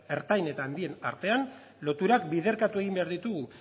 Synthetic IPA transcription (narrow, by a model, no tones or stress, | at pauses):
e̞ɾt̪ajne̞t̪aːnd̪ie̞na̰ɾt̪e̞an | lo̞t̪uɾak̚bið̞e̞ɾkat̪ue̞ɣimbe̞aɾðit̪uɣu